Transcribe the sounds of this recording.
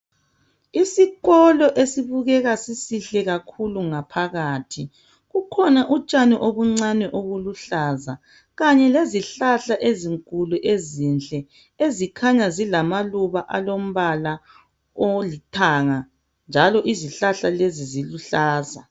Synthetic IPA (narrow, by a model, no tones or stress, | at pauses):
isiɣɔlɔʔesiβuɣɛɣasisiɬɛɣakʰuluŋapʰaɣaːtʰi | ɣukʰɔnaʔut͡ʃʼanɛʔoβuŋ͡ǀanɛʔoɣuluɬaza | ɣaɲɛleziɬaɬaʔeziŋkʼuluʔezint͡ɬʼɛ | ezikʰaɲazilamaluβaʔalom̩βala | olitʰaŋa | nd͡ʒʱalɔʔiziɬaɬaleziziluɬaːza̰